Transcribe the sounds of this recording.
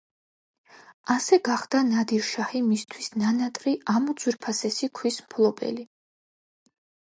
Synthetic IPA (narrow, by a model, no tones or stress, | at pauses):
asɛɡaχd̪anad̪iɾʃahimist̪ʰwisnanat̪ʼɾiʔamud̪z̥wiɾpʰasɛsikʰwismpʰlˠɔbʼɛ̰li